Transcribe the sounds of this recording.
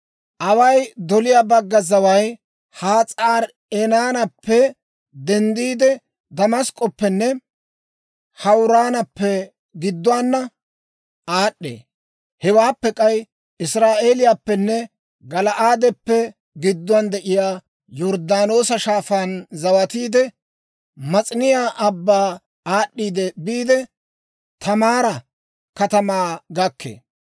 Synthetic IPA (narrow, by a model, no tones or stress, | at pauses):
ʔɐwɐjd̪ɔlɪjaːbɐɡːɐzɐwɐj | haːt͡sʼaːɾ | ɛnaːnɐpːɛ | d̪ɛnd̪iːd̪ɛ | d̪ɐmɐskʼɔpːɛnːɛ | hɐwɾaːnɐpːɛ | ɡɪd̪ːʊanːɐ | aːɗːḛː | hɛwaːpːɛkʼɐj | ɪsɾaːʔe̞ːlɪjaːpːɛnːɛ | ɡɐlɐʔaːd̪ɛpːɛ | ɡɪd̪ːʊand̪ɛʔɪjaː | jɔɾd̪aːno̞ːsɐʃaːfaːnzɐwɐt̪iːd̪ɛ | mɐt͡sʼɪnɪjaːʔɐbːaː | aːɗːiːd̪ɛbiːd̪ɛ | t̪ɐmaːɾɐ | kɐt̪ɐmaːɡɐkːḛː